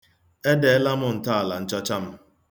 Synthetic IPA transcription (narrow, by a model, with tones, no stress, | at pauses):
e˦de˨e˦la˦mʊ˨n̩˨ta˦a˨la˨n̩˨t͡ʃɔ˦t͡ʃa˦m̩˦